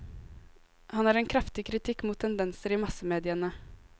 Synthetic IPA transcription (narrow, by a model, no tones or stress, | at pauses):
hɑnæːɾɛːnkʰɾɑft̪ɪkʰɾɪt̪ʰɪkmuːt̪ʰːɛnd̪ɛnsəɾiːmɑsəmeːd̪ɪənə